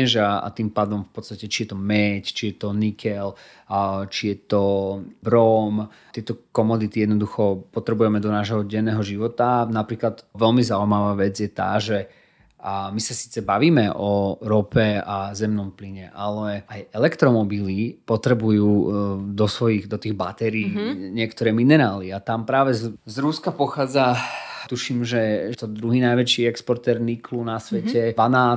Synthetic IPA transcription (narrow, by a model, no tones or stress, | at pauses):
ɛʒaa̰t̪iːmpaːd̪ɔmfpɔt̪st̪acɛt͡ʃijɛt̪ɔmɛct͡ʃijɛt̪ɔnikʰɛl | t͡ʃijɛt̪ɔbɾɔm | t̪ɪɛt̪ɔkɔmɔd̪it̪ijɛd̪nɔd̪uxɔpɔt̪ɾɛbujɛmɛd̪ɔnaːʒɦɔɟɛnɛːɦɔʒiʋɔt̪anapɾiːklad̪ʋɛlmizaujmaʋaːʋɛd͡zjɛt̪a̰ːʒɛ | misasi̥ːt͡sɛbaʋiːmɛʔɔɾɔpɛazɛmnɔmpliɲɛʔalɛajɛlɛkt̪ɾɔmɔbilipɔt̪ɾɛbujuːd̪ɔsʋɔjiɣd̪ɔt̪iːɣba̰t̪ɛɾiːɲɪɛkt̪ɔɾɛːminɛɾaːliat̪ampɾaːʋɛzzɾuskapɔxaːd͡zat̪uʃimʒɛt̪ɔd̪ɾuɦiːnajʋɛt͡ʃiːɛkspɔɾt̪ɛɾniklunasʋɛcɛʋana